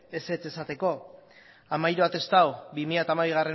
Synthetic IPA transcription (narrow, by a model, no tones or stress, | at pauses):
e̞se̞t͡se̞sat̪e̞ko̞ | amajɾoat̪e̞st̪awbimiʎat̪amaβiɣ̞are̞